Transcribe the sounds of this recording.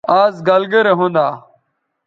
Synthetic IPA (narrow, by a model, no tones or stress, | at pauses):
aːzɡalɡeːɾeːɦõːnd̪aː